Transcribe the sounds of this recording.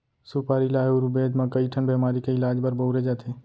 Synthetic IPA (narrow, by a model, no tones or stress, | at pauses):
supaːɾilaːuɾubeːd͡ʒ̪mãkəiʈʰənbɛːmaːɾikeɪlaːd͡ʒbəɾboɾed͡ʒaːt̪ʰeː